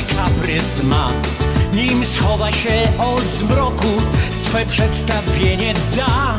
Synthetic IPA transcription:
kʰabrɪsma | nimsχɔvaʃɛɔzmɾɔɡusfwɛpʰʂɛdstavjɛnɛ | d̪a

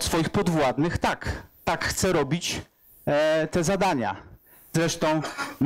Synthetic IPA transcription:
t̪sfɔjixpɔd̪vwad̪nɘxt̪akt̪akxt̪sɛɾɔbʲit͡ɕ | t̪ɛzad̪aɲa̰ | zɾɛʂt̪ɔ̃w̃m

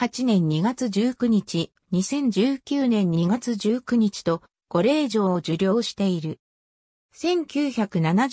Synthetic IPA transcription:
at͡ɕinẽ̞ɲ̟ːiɡat͡sɨd͡ʑɨːkɯ̟ɲ̟it͡ɕi | ɲ̟isẽ̞ɲ̟d͡ʑɨːkʲɨːnẽ̞ɲ̟ːiiɡat͡sɨʑɨːkɯ̟ɲ̟it͡ɕi̥t̪o̞ | ɡ̥o̞ɾe̞ːʑo̞ːd͡ʑɨɾʲo̞ːɕi̥t̪e̞iɾɯ̟ | sẽ̞ŋkʲɨːçakɯ̟nana

